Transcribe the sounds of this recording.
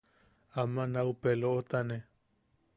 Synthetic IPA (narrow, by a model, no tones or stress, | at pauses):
amãnaupeloʔot̪anẽ